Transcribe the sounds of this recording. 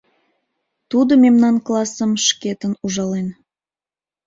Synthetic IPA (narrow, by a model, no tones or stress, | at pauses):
t̪ud̪omemnɑnklˠɑsəmʃket̪ənuʒɑlen